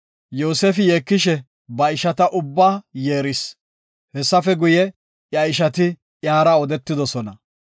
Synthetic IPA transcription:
jo̞ːseːfɪjeːkːɪʃɛ | bɐɪʃɐt̪ɐʔʊbːaːjeːɾɪs | hɛsːɐfɛɡʊjɛ | jɐɪʃɐt̪ɪ | ʔjaːɾɐɔd̪ɛt̪ːɪd̪ɔsɔnɐ

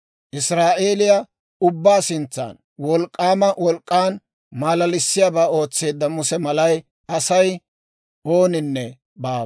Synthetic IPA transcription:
ʔɪsɾaːʔe̞ːlɪja | ʊbːaːsɪnt͡sːa̰ːn | wɔlkʼːaːmɐwɔlkʼːaːn | maːlɐlɪsːɪjabaːo̞ːt͡sːe̞ːd̪ːɐmʊsɛmɐlɐj | ɐsɐj | o̞ːnɪnːɛ | baː

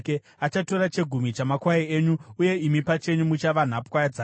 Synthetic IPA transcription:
ke | at͡ʃato̞ɾat͡ʃe̞ɡʱumit͡ʃamakwaieːɲuuje̞imipat͡ʃe̞ɲumut͡ʃaʋan̤apkwajad͡zaː

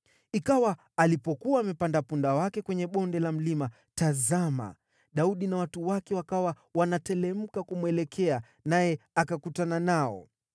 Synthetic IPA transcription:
ikawaː | lipɔkuaːmɛpandapundawakɛkwɛɲɛɓɔndɛlam̩lima | tazama̰ | ɗauɗinawatuwakɛwakawa | wanatɛlɛm̩kakumwɛlɛkʰɛa | najɛakakutananaɔ̰

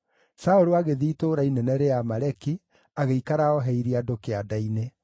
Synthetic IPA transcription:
saoɾoaɣeðiːtoːɾainɛnɛɾeamaɾɛki | aɣeikaɾaɔɦɛiɾiadokeadaine

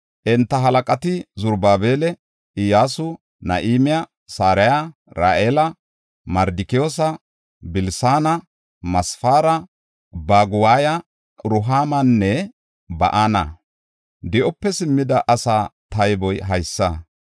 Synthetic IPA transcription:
ʔɛnt̪ːɐɦɐlɐkʼɐt̪ɪzʊɾbaːbeːlɛ | ʔɪjaːsʊ | nɐ̰ʔiːmɪja | saːɾɛja | ɾaːʔeːlɐ | mɐɾd̪ɪkɪjoːsɐ | bɪlsaːnɐ | mɐsfaːɾɐ | baːɡʊwaːjɐ | ɾʊɦaːmɐnːɛ | bɐ̰ʔanɐ̰ | d̪ɪʔɔpːɛsɪmːɪd̪ɐʔɐsaːt̪ɐjbɔjɦɐjsːɐ

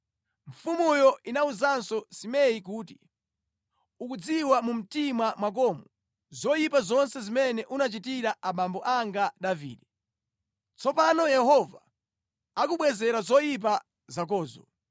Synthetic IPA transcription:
ɱ̩fumujɔʔinauzansɔsimɛikuːti | ukud͡ziwamum̩timwamwak̬ɔmɔ | zɔjipazɔnsɛzimɛnɛʔunat͡ʃitiɾaʔaɓambɔʔaŋɡaɗavḭːɗɛ | t͡sɔpanɔjɛhɔva | akuɓwɛzɛɾazɔjip̬a | zak̬ɔːzɔ̰

